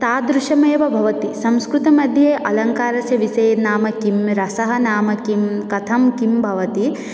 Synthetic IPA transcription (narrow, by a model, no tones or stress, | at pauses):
t̪aːd̪ɾuʃɐmeːʋɐbʱɐʋɐt̪isɐ̃mskɾut̪ɐmɐd̪ʱjeːʔɐlɐŋkaːɾɐsjɐʋiseːnaːmɐkimɾɐsɐɦɐnaːmɐkimkɐt̪ʰɐmkimbʱɐʋɐt̪i